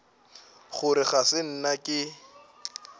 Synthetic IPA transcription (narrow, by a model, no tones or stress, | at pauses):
χʊɾɪχasɪn̩nakʼɪ